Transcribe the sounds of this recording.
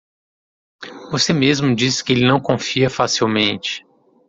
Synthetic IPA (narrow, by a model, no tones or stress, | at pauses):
vosemezmʊd͡ʒisɪ̥kɪelɪnɐ̃w̃kõfiɐfasiwmẽnt͡ʃɪ̥